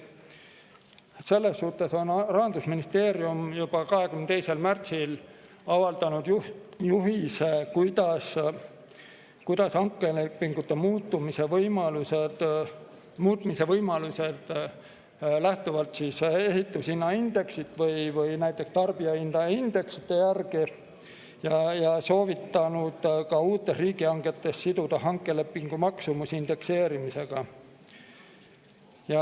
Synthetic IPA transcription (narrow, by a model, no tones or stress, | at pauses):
se̞lːe̞sːuht̪ːˑe̞so̞nrɑɦɑnd̪usminist̪e̞ːɾjumjub̥ɑkɑɦe̞ɡymnet̪ejse̞lmært̪sil | ɑvɑld̪̥ɑnud̪̥jjuɦiskujd̪̥ɑs | kujd̪̥ɑsɑŋkːˑelepːˑiŋɡ̥ut̪ːˑe̞muːt̪ːˑumise̞vɤjmɑluse̥ | muːt̪ːˑmise̞vɤjmɑluse̞d̪̥ | læht̪uvɑlt̪sise̞ɦit̪ːˑusinːɑind̪̥e̞ksit̪ːˑvɤjvɯjnæjt̪ːˑe̞kst̪ɑrb̥iɑind̪̥ɑind̪̥e̞ksi̥t̪ːˑe̞jærɡ̥i | jɑjɑso̞ːvit̪ːˑɑnud̪̥kɑuːt̪ːˑe̞sriːɡ̥iɑŋɡ̥e̞t̪ːˑe̞ssid̪ud̪ɑɦɑŋkˑːe̞le̞pːiŋɡ̥umɑksumusind̪̥e̞kse̞ːɾimise̞ɡ̥ɑ | jɑ